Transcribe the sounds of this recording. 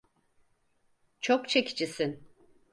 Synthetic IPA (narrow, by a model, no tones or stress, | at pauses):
t͡ʃʰokt͡ʃʰeci̥t͡ʃisin